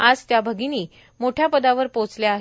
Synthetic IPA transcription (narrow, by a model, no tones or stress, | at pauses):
ad͡zt̪jabʱəɡiniː | moʈʰjapəd̪aʋəɾpot͡sljaaɦe